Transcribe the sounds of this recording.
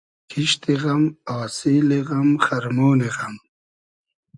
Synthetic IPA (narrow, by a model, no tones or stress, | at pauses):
kʰiʃt̪iɣɐmaːsiːliɣɐmχɐɾmoːniɣɐm